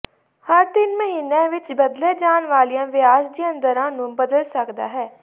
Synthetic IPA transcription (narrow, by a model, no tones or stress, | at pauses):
həɾd̪ɪnməɦiːnẽːʋɪt͡ʃbəd̪leːd͡ʒaːnʋaːlijãːʋɪaːʃd̪iːə̃nd̪əɾãːnũːbəd̪əlsəkd̪a̰ːɦɛː